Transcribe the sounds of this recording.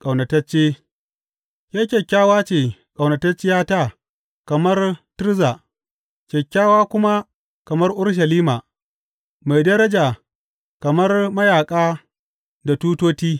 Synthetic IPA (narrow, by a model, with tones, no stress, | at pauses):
kʼɐ˨wnɐ˨tɐ˦t͡ʃːeː˦ | jʲaː˦kʲɛ˨kʲːaː˦waː˦t͡ʃeː˨kʼɐ˨wnɐ˨tɐ˦t͡ʃːɪ˦jaː˦taː˦ | kɐ˨mɐ˦rtɪ˦ɾza˨ | kʲɛ˨kʲːaː˦waː˦kʷʊ˦ma˦ | kɐ˨mɐ˦rʔʊ˦ɽʃ̬ɐ˨liː˦maː˨ | ma˨jdɐ˦ɾɐ˦d͡ʒa˨ | kɐ˨mɐ˦rmɐ˦jaː˨kʼaː˦ | da˨tuː˦toː˦tiː˦